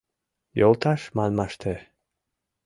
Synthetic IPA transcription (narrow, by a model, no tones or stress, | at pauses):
jolˠt̪ʰɑʃmɑnmɑʃt̪ʰə